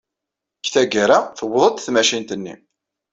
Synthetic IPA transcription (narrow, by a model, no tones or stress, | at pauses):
kθæɡəɾaθəwːəðˤət̪θmæʃint̪ənːḭ